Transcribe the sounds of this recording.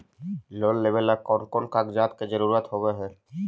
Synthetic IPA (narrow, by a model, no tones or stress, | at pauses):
loːlːeʋelakɔːɾkoːnkakd͡ʒaːt̪ked͡ʒəɾuːɾaːt̪ɦoːɡeɦɛː